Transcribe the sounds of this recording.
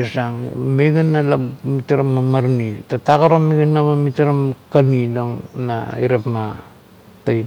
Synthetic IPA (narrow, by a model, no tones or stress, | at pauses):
esaŋmeɡanːalamitaɾamːamaɾnitataɡaɾomiɡenːaβamitaɾamkanidoŋna̰iɾapma | taj